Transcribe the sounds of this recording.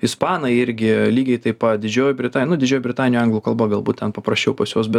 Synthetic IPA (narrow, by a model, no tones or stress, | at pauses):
ɪspɑːnɐɪɪɾʲɡʲɪlʲiːɡʲɛɪt̪ɐɪpɐd̪ʲɪd͡ʒʲoːjʊbʲɾʲɪt̪ɑːnnʊd̪ʲɪd͡ʒʲoːjʊbʲɾʲɪt̪ɑːnʲɪnʲuːɐŋɡlˠuːkɐlˠbɐɡɐlˠbuːt̪t̪ʲɛnpɐpɾɐsʲt͡ʃʲɛʊpɐsjoːs̬bʲɛt